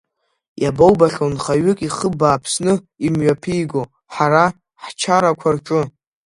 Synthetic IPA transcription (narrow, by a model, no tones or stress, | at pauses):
jabowbaχʲonχaɥʏkʼiχəbaːpʰsnɨ | imɥapʰijɡo | ħaɾa | ħt͡ʃʰaɾakʷʰart͡ʃʷʼʊ